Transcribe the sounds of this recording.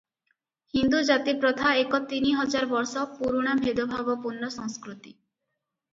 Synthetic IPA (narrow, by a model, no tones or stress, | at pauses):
hind̪ud͡ʒat̪ipɾɔt̪ʰaekɔt̪iniɦɔd͡ʒaɾbɔɾsɔpuɾuɽ̃abʱed̪ɔbʱabɔpunːɔsɔŋskɾut̪i